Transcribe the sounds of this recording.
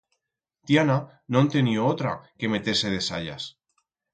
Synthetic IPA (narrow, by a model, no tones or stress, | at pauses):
t̪jana | nõnt̪enioot̪ɾa̰ke̞me̞t̪eɾse̞ð̞e̞sa̰ʎa̰s